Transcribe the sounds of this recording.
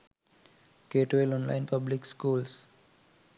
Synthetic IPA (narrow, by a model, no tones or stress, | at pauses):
keːʈʋelɔ̃ːnlã̰ɪ̃npʌblɪkskuːls